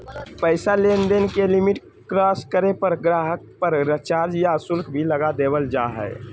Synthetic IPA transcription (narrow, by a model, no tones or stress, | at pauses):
pəɪsalend̪enkelimiʈ | kɾaskəɾepəɾɡɾaɦək̚pəɾɾət͡ʃaːɾd͡ʒjasʊlkbʱiləɡad̪ebəld͡ʒaɦɛ̰